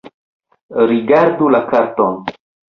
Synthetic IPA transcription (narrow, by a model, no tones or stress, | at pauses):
ɾiɡaɾdulakaɾt̪on